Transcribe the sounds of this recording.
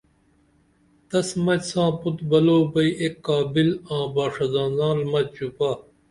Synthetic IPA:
t̪ɐsmɐtsãːput̪bɐloːbɐiʔekːaːbilãːbaːʂɐzãːzãːlmɐt͡ɕupaː

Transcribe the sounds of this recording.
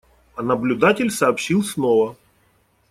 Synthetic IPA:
ɐnəblʲʊd̪atʲɪlʲsɐːpɕilˠsnovə

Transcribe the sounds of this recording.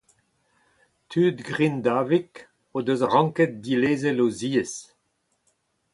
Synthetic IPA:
t̪ʰyːd̪ɡʁind̪aːvik | od̪øzʁɑ̃ŋkɛt̪̚dileːzɛloziːes

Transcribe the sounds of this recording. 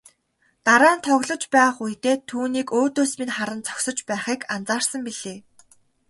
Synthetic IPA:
t̪aɾaːnt̪ʰœɣʲɮɞ̆t͡ɕpæːχujt̪eːt̪ʰuːniːkoːt̪oːsminχaɾə̆nt͡sʰɔ̥ksɞ̆t͡ɕpæːχiːkant͡saːrsə̆mpiɮeː

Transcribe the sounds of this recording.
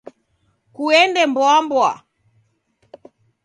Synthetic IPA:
kuɛndɛmbwambwa

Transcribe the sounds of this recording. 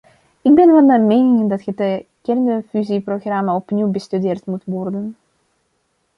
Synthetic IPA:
ɪɡ̚bɛnʋɛlmɛnmejnɪŋdɑtχədəkɛrndəfyziproɣrɑmaɔpniwbəstydɪːrtmutʋɔrdən

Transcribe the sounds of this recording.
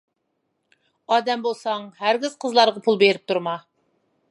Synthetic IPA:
ɑːd̪ɛmbolˠsɑŋhæɾɡʲiz̥qʰəzlˠɑɾʁɑpʰulˠbeɾɪp̚t̪ʰuɾmɑ

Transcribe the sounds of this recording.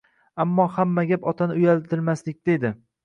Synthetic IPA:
amːɒhamːaɡʲapɒt̪ʰanɪʊjalt̪ʰɪlmaslɪk̚ʲd̪̥ed̪ɪ

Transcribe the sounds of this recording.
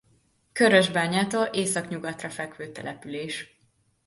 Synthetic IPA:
køɾøʒbaːɲaːt̪oːlʔeːsɒkɲuɡɒt̪rɒfɛkʋøːt̪ɛ̰lʔɛpyleːʃ

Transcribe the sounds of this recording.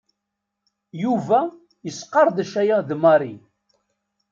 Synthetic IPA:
juvæ | jəsqːɑɾˤðəʃæjæðmɑɾˤi

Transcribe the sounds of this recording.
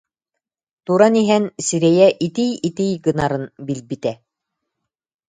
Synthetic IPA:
t̪uɾaniɦɛnsiɾɛjɛʔit̪ijit̪ijɡɯnaɾɯnbilbit̪ɛ

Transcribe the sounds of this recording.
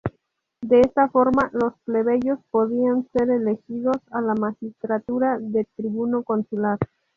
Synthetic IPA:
d̪e̞est̪afo̞ɾmalo̞sple̞βeʝo̞spo̞ðianse̞ɾe̞le̞xiðo̞salamaxist̪ɾat̪uɾaðe̞t̪ɾiβuno̞ko̞nsulaɾ

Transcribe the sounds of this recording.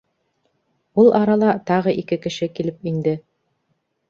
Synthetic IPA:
ulˠʔɑɾɑlˠɑt̪ɑʁɤʔikɘkɘ̆ʃɘkilɘpind̪ɘ

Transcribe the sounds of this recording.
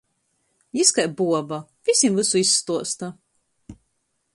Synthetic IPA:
jiskajbuɔbavʲisʲimvusuisːt̪uɔst̪a

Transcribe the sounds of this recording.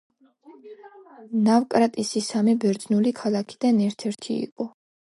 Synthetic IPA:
navkʼɾat̪ʼisisamɛbɛɾd̪znulikʰalˠakʰi̥d̪anɛɾt̪ʰɛɾt̪ʰiḭqʼɔ

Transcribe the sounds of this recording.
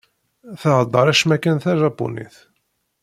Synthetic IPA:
θəʕəd̪ˤːəɾˤæʃmækːənθæʒɑpːṵnḭθ

